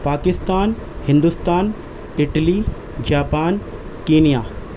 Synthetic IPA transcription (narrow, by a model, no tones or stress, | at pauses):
paːkɪst̪aːn | hɪ̃nd̪ʊst̪aːn | ɪʈli | d͡ʒaːpaːn | kiːnijaː